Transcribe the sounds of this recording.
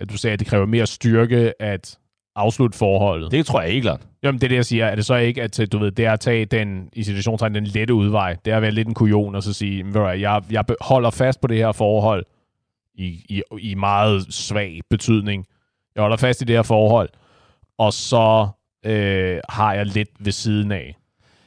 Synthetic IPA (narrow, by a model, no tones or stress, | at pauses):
d̥usɛːæd̥e̝kʰʁɛːʊɐme̝ːɐsd̥yɐɡ̥əʔæd̥ | ʔɑ̈ʊslud̥ə̥fɒːhɒ̽l̰ð̩ˠd̥et͡sʰʁoɐjae̥lɑ̥jæmend̥ed̥ejäɪsiːɐæɐɾ̥e̝sɒ̽e̝ɡ̥əæd̥d̥uʋe̝ð̞̰ˠd̥e̝æɐæt͡sʰɛ̰ːd̥enisit͡sʰuæɕ̬o̝̰ːnt͡sʰɑ̈ɪd̥enleɾəuð̞ˠʋɑ̈ɪ̰d̥e̝ɐʋæːɐle̝d̥enkʰuio̝̰ːnɒsɒ̽siːjemmʋææjɑ̈ɪjɑ̈ɪbhɒ̽l̰ɐfæsd̥̚pʰɒ̽d̥e̝heɐ̰fɒːɦɒ̽l̰ | iimɑ̈ːð̞̩ˠsʋɛ̰ːɪb̥e̝t͡sʰyð̰ˠne̝ŋ | jɑ̈ɪhɒl̰ɐfæsd̥id̥e̝heɐfɒːhɒ̽l̰ | ɒ̽sɒ̽ | øhɑ̈jɑ̈ɪled̥ʋe̝siːð̞ˠn̩ɛ